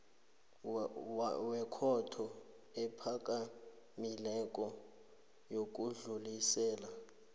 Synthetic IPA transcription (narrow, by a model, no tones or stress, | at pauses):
wɛkʰɔtʰɔ | ɛpʰakʼa | milɛkʼɔ | jok̬ʼuɮulisɛːla